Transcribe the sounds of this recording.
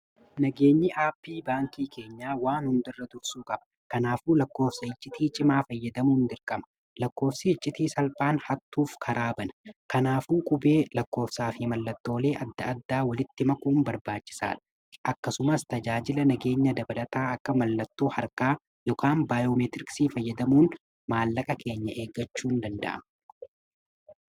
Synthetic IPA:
nɐɡe̞ːɲːɪʔaːpːiːbaːŋkiːkʰe̞ːɲːaːwaːnhʊnd̪ɪrːɐd̪ʊɾsuːkʼɐb̥ɐ̥ | kɐnaːfuːlɐkːoːfsɐɪt͡ʃʼːɪt̪iːt͡ʃʼɪmaːfɐjːɐd̪ɐmuːnd̪ɪɾkʼɐmɐ̥ | lɐkːo̞ːfsɪɪt͡ʃʼːɪt̪iːsɐlpʼaːnhɐt̪ːuːfkʰɐɾaːbɐnɐ̥kɐnaːfuːkʼʊbe̞ːlɐkːo̞ːfsaːfɪmɐlːɐt̪ːo̞ːle̞ːʔɐd̪ːɐɐd̪ːaːwɐlɪt̪ːɪmɐkuːmbɐɾbaːt͡ʃːɪ̥sa̰ːᶑɐ̥ | ʔɐkːɐsʊmɐst̪ɐd͡ʒaːd͡ʒɪlɐnɐɡe̞ːɲːɐd̪ɐbɐlɐt̪aːɐkːɐmɐlːɐt̪ːo̞ːhɐɾkaː | jɔkʰaːnbaːjoːmɛt̪ɪɾɪksiːfɐjːɐd̪ɐmuːn | maːlːɐkʼɐke̞ːɲːɐʔe̞ːɡɐt͡ʃːuːnd̪ɐnd̪ɐ̰ʔɐ̰mɐ

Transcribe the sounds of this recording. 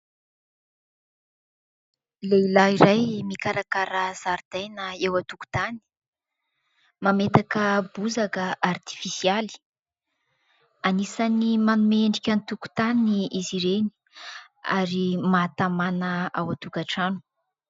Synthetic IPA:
leilaiɾajmikaɾakaɾəz̥aɾd̪̥ajnəewat̪uku̥t̪ani̥ | mamet̪akəbuzakəart̪i̥fisiali̥ | anisanimanumeɳɖ͡ʐikʲant̪uku̥t̪aniiziɾeni̥ | a̰ɾimat̪amanəawat̪ukaʈ͡ʂanu̥

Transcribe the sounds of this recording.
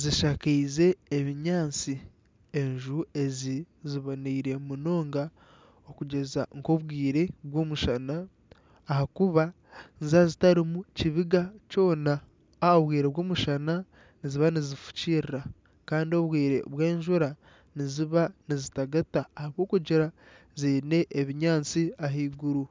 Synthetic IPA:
ziʃakeize̞ːβiɲaːt͡si | eɲʒue̞ziziβoniiɾe̞muno̞ːŋɡa | okuɟe̞za̰ŋko̞βwiːɾe̞βwo̞ːmuʃanaː | hakuβa | nzazitaɾimuciβiɡat͡ʃo̞ːna | oβwiːɾeβwo̞ːmuʃana | niziβanizifu̥ciːɾiɾa | kaːndio̞βwiːɾe̞̰βwe̞ːɲʒuɾa | niziβanizitaɡataːhaβwo̞ːkuɟiɾa | ziːne̞ʔːβiɲaːnt͡siaɦiːɡuɾu

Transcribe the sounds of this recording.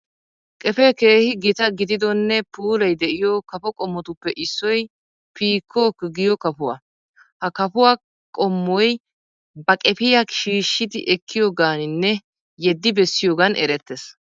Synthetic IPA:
kʼɛpɛke̞ːhɪɡɪt̪ɐɡɪd̪ɪd̪ɔnːɛpuːlɐjd̪ɛʔɪjɔkɐpɔkʼɔmːɔt̪ʊpːɛʔɪsːɔj | piːkʰːɔːkɡɪjɔkɐpʊwa̰ | hɐkɐpʊwa | kʼɔmːɔj | bɐkʼɛpɪjaʃiːʃːɪd̪ɪ̰ʔɛkʰːɪjoːɡaːnɪnːɛ | jɛd̪ːɪbɛsːɪjoːɡɐnʔɛɾɛt̪ːɛs

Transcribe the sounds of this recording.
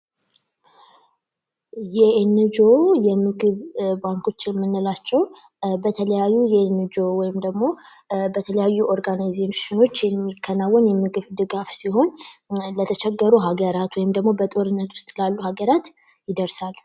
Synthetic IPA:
jɛenːɨd͡ʒojɛmɨɡɨβbaŋkʰo̞t͡ʃːjɛmːɨnːɨlat͡ʃːɛw | bət̪ʰələjajːujɛnːɨd͡ʒo̞wɔjɪmd̪əɡmo̞ | bət̪ʰələjajːuʔoɾɡanajzemʃɪno̞t͡ʃːjɛmːikʰːənawːɔnjɛmɨɡɨβd̪ɨɡafsiɦo̞nlət̪ʰət͡ʃʰɛɡːəɾuɦaɡəɾat̪wɔjɪmd̪əɡmo̞bət̪ʼo̞ɾɨnːət̪wʊ̥st̪ʼlalːuhaɡəɾat̪ | jɪd̪əɾsal

